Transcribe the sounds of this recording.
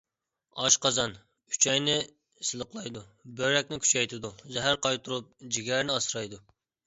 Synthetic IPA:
ɑʃqɑzɑnʰ | y̥t͡ʃʰɛjnɪ | sɨlˠəqlˠɑjd̪ubøɾɛkʲnɪkʰʲy̥t͡ʃʰɛjt̪ʰɪd̪uzɛɦæɾqɑjt̪ʰuɾup̚d͡ʒiɡʲɛɾnɪɑsɾɑjd̪u

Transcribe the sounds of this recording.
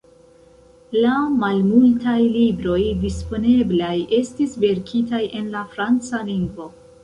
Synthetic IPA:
lamalmultajlibɾo̞jdispo̞ne̞blaje̞stisve̞ɾkʰitajʔe̞nlafɾant͡saliŋɡvo̞

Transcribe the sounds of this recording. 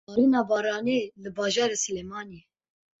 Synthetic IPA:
ɑːɾinɑːbɑːɾɑːneːlɨbɑːʒɑːɾesɨlemɑːne

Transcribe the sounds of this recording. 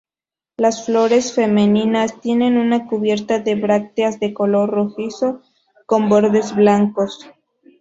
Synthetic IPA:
lasflo̞ɾe̞sfe̞meninast̪je̞ne̞nunakuβje̞ɾt̪aðe̞βɾak̚t̪eazðe̞ko̞lo̞rroxiso̞ | ko̞mbo̞ɾðe̞zβlaŋko̞s

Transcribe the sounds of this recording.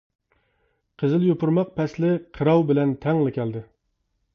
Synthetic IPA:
qʰəzɨɪlˠjopuɾmɑq̚pʰɛslɪqʰəɾɑwbɪlɛnt̪ʰɛŋlɪkʲʰɛld̪ɪ

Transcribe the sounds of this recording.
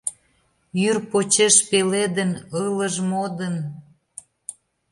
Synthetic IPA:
jyrpot͡ɕeʃpeled̪ənələʒmod̪ən

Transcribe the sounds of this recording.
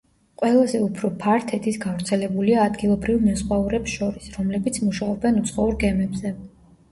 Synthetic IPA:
qʼwɛlˠazɛupʰɾɔpʰaɾt̪ʰɛt̪ʰisɡavɾt̪sʰɛlɛbuliaːd̪ɡilˠɔbɾivmɛsχwauɾɛpsʃɔɾisɾɔmlɛbit̪sʰmuʃaɔbɛnut̪sʰχɔuɾɡɛmɛbzɛ

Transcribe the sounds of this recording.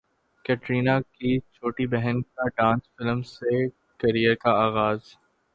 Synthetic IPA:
kɛʈɾiːnakit͡ʃʰoːʈibɛɦənkaɖãːnsfɪlmse | kɐɾijəkaaːɣaːz

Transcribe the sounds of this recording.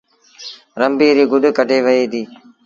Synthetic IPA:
ɾəmbiːɾiːɡʊɗkəʈeːʋəeːd̪iː

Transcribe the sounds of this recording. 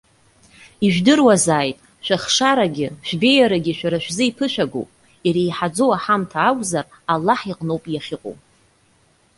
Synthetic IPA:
iʒᶣdɨrwazaːjtʼ | ʃᶣaχʂaɾaɡʲɪʃᶣbe̞jaɾaɡʲɪʃᶣaɾaʃᶣzɨipʰɨʃʷᶣaɡo̰pʼ | iɾejħad͡zowaħamtʰaːkʷʼzar | alːaħiqʼnowpʼjaχʲɪqʼo̰w

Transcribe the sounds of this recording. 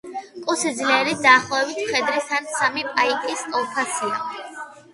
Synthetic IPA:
kʼusid̪zlɛɾid̪aːχlˠɔɛbit̪ʰmχɛd̪ɾisansamipʼaikʼiskʼɔlˠpʰasia

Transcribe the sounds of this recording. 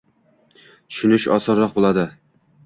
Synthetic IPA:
t̪ʰʊ̥ʃɪnɪʃɒ̰sɒɾːɒq̚bolˠad̪ɪ

